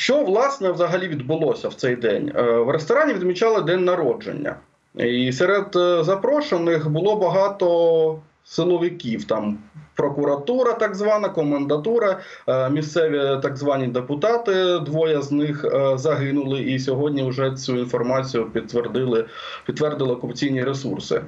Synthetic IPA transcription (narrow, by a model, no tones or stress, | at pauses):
ʃt͡ʃɔʋlˠɑsnɛʋzɐɦɐlʲiʋʲid̪bʊlˠɔsʲɐwt̪sɛjd̪ɛ̰nʲʋrest̪ɔɾɑnʲiʋʲid̪mʲit͡ʃɑlˠɪd̪ɛnʲnɐɾɔd͡ʒḛnʲːɐ̰ | isɛɾɛd̪zɐpɾɔʃenɪxbʊlˠɔbɐɦɑt̪ɔ | sɪlˠɔʋɪkʲiwt̪ɑmpɾɔkʊɾɐt̪uɾɐt̪ɑɡzʋɑnɐkɔmend̪ɐt̪uɾɐmʲist̪sɛʋʲit̪ɑɡzʋɑnʲid̪epʊt̪ɑt̪ɪd̪ʋɔjɐznɪxzɐɦɪnʊlˠɪʔis̬ʲɔɦɔdʲnʲiwʐɛt͡sʲuinfɔrmɑt͡sʲijʊpʲd̪ɪlˠɪ | pʲid̪t̪ːʋɛrd̪ɪlˠɪɔkʊpɐt͡sʲijnʲiɾesṵrsɪ̰